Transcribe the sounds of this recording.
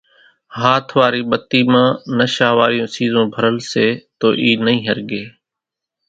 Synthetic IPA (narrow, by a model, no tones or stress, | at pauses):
ɦaːt̪ʰʋaːɾiːɓət̪iːmãːnəʃaːʋaːɾɪjõːsiːzõːbʱəɾəlseːt̪oːʔiːnəɦĩːɦəɾɡeː